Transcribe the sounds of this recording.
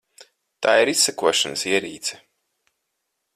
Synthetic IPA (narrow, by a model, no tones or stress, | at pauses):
t̪aːiɾisːɛkuɔʃanəsiɛɾḭːt̪sɛ̥